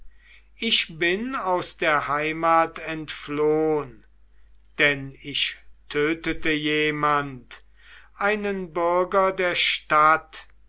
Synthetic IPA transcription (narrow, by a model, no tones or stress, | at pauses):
ʔɪʃbɪnaʊsd̥eːɐhaɪmaːtʰɛntfloːən | d̥ɛnɪʃtʰøːtətəjeːmant | ʔaɪnənbʏɐɡɐdeːɐʃtat